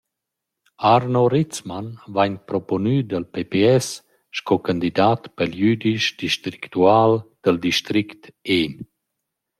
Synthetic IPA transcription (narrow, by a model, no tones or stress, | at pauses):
aɾnoɾit͡smanvaɲpɾɔponyd̪əlpepeɛs | ʃkɔkand̪id̪aːt̪pəljyd̪iʃd̪iʃt̪ɾikt̪uaːld̪̥əld̪iʃt̪ɾikt̪en